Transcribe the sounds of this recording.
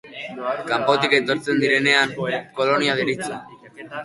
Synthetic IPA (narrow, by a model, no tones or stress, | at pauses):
kampo̞t̪iket̪o̞ɾt͡se̞nd̪iɾe̞ne̞aŋko̞lo̞niað̞iɾit͡se